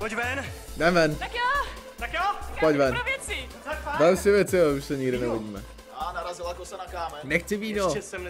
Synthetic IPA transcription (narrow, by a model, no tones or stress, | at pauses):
pocvɛnnɛvɛnt̪akjo | t̪akjopocvɛnovjɛt͡si | vɛlsɪvjɛt͡sɪjouʃsɛɲɪɡdɪnɛvoɟiːmɛ̰ | anaɾazɪlakosɛnakaːmɛnɛxt͡sɪviːnoɛsɛm